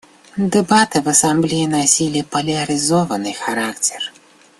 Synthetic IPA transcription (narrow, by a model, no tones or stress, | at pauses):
d̪ɛbat̪ɨvɐsamblʲijinasʲilʲipɐlʲɐɾɨzɔvɐnɨxaɾakt͡sʲɛr